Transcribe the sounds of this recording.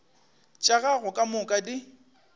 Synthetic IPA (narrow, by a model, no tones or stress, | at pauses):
t͡ʃʼaɣaɣʊkʼamʊkʼadi